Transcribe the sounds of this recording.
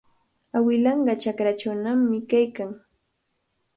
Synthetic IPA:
awɪlɑɴɢɑt͡ʃakɾat͡ʃawnamːɪkajkaŋ

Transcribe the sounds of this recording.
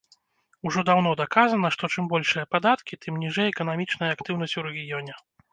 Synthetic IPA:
uʐɔd̪awnɔd̪akazɐnɐʂt̪ɔt͡ʂɨmbɔlʲʂɨjɐpad̪at̪kʲit̪ʰɨmnʲiʐɛjɛkɐnamʲit͡ʂnɐjɐːkt̪ɨwnɐsʲt͡sʲuɾɛɣʲijɔnʲɛ

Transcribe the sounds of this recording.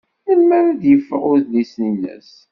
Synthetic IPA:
nəlmæɾæðjəfɾʊðlisnilæ̰s

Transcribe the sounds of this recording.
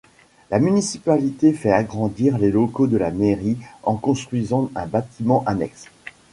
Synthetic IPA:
lamynisipalit̪efɛaɡʁɑ̃d̪iʁlelokod̪əlameʁiɑ̃kɔ̃st̪χɥizɑ̃ɛ̃bat̪imɑ̃ʔanɛ̰ks

